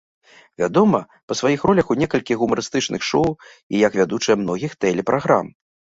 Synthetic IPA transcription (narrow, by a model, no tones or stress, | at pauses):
vʲad̪ɔmɐ | pɐsvajixrɔlʲɐxunʲɛkɐlʲkʲiɣumaɾɨst̪ɨt͡ʂnʔɨxʂɔw | ijɐkvʲad̪ut͡ʂɨjɛmnɔɣʲixt̪ɛlʲɛpɾʔaɣɾa̰m